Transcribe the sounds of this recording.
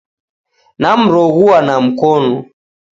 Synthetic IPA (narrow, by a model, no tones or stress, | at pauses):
nam̩ɾɔɣuanam̩kɔnɔ